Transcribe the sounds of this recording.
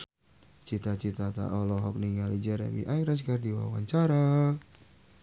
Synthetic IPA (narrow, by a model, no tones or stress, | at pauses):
t͡ʃit̪at͡ʃit̪at̪a̰ʔɔlɔɦɔk̚niŋalid͡ʒaɾa̰bḭʔajɾas̬kardiwa̰wa̰ɲt͡ʃaɾa